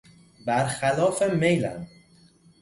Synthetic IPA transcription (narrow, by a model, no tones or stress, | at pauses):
bæɾxælɒːfemejlæ̰m